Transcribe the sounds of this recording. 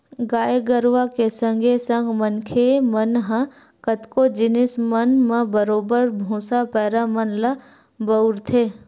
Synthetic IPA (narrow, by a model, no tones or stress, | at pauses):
ɡaːjeɡəɾʋakesə̃ŋɡʱesə̃ŋɡmənkʰemənɦə̃ | kət̪kod͡ʒɪnɪsmənmə̃bəɾoːbəɾbʱũːsapɛːɾamənlə | bəʊɾt̪ʰeː